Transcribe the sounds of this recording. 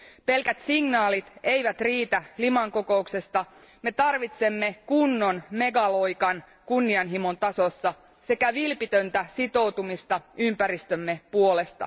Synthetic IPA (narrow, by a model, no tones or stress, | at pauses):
pe̞lkæt̪siŋnɑːlit̪e̞jʋæt̪riːt̪ælimɑŋko̞ko̞ukse̞st̪ɑ | me̞t̪ɑrʋit̪se̞mːe̞kunːo̞nme̞ɡɑlojkɑn | kunːiɑnɦimont̪ɑso̞sːɑ | se̞kæʋilpit̪ø̞nt̪æsit̪o̞wt̪umist̪ɑympæɾist̪ømːe̞puo̞le̞st̪ɑ̰